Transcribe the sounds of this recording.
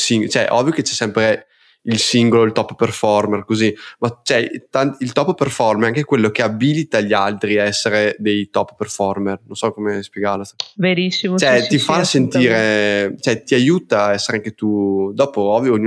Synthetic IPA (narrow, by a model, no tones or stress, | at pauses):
siŋt͡ʃɛʔɔ̰vːjoket͡ʃɛsɛmpɾe | ilsiŋɡoloilt̪ɔpːperfɔrmerkozimat͡ʃɛt̪anilt̪ɔpːerfɔrmɾɛaŋkekwelːokeabilit̪aʎːialt̪ɾiaɛsːeɾed̪ejt̪ɔpːperfɔrmernonsɔkomespjeɡarlosveɾisːimot͡ʃɛt̪ifasent̪iːɾet͡ʃɛt̪iajuːt̪aːɛsːeɾeaŋket̪ud̪ɔːpoɔvːjoːɲːu